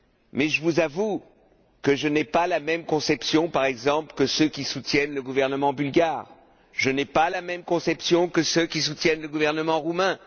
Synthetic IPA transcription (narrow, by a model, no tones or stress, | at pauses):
mɛʒəvuzavu | kəʒənɛpalamɛmkɔ̃sɛpsjɔ̃paʁɛɡzɑ̃pləkəsøkʲisut̪jɛnləɡuvɛʁnəmɑ̃bylɡaːʁ | ʒənɛpalamɛmkɔ̃sɛpsjɔ̃kəsøkʲisut̪jɛnləɡuvɛʁnəmɑ̃ʁumɛ̃